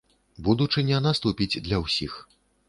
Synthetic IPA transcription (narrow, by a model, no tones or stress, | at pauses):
bud̪ut͡ʂɨnʲɛnast̪upʲid͡zʲd̪lʲɐwsʲix